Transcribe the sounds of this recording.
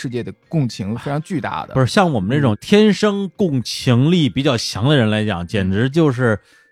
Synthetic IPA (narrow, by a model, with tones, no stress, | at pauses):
ɻ̩˥˧t͡ɕjɛ˥˩d̪ə˩kʊ˥˩ŋt͡ɕʰi˧˥ŋ˧fe˥ɪʈ͡ʂʰɑ˧˥ŋt͡ɕy˥˧t̪a̰˥˩d̪ə̰˨˩˥ɕjɑ˥˩ŋwɔ˨˩mə˦na˥˩ʈ͡ʂʊ˨˩ŋt̪ʰjɛ˥nʂɤ˥ŋkʊ˥˩ŋt͡ɕʰi˧˥ŋli˥˩pi˨˩t͡ɕjɑ˥˩ʊɕʰjɑ˧˥ŋd̪ə˧ɻə˧˥nla˧˥ɪt͡ɕjɑ̰˨˩˦ŋt͡ɕjɛ˨˩nʈ͡ʂɻ̩˧˥t͡ɕjo˥˧ʊʂ̬ɻ̩˥˩